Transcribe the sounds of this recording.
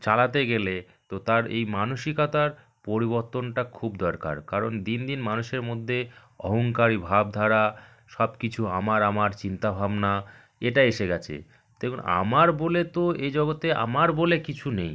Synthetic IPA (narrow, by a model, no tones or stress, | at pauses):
t͡ɕalat̪eɡele | t̪ot̪aɾḛjmanoʃikat̪aɾ | poɾiβoɾt̪onʈakʰubd̪ɔɾka̰ɾkaɾond̪ind̪inmanuʃeɾmod̪ʱːe | ɔ̰ɦoŋkaɾibʱab̚d̪ʱaɾa | ʃɔbkit͡ɕʰuamaɾamaɾt͡ɕint̪abʱabna | eʈaeʃeɡɛt͡ɕʰḛ | t̪ekuna̰maɾbolet̪oed͡ʑɔɡot̪ea̰maɾbolekit͡ɕʰunej